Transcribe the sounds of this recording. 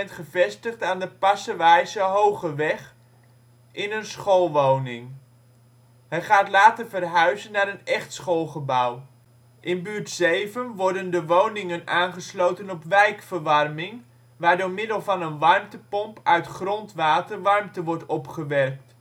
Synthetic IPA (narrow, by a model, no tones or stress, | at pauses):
ɛntχəvɛstəχtaːndəpɑsəʋɛjzəɦowχəʋɛχ | ʔɪnənsχolˠʋownɪŋ | ɦəjχaːtlaːtərvərɦœɥzənːaːɾənɛχtsχolˠχəbɑw | ʔɪnbyːɹtsejvənʋɔɹdəndəʋownɪŋənaːnχəslowtənɔpʋɛjkfəɹʋɑrmɪŋ | ʋaːɹdʊːɹmɪdəlˠvɑnənʋɑrmtəpɔmpʰœɥtχrɔntʋaːtərʋɑɹmtəʋɔɹtɔpχəʋɛrk̚t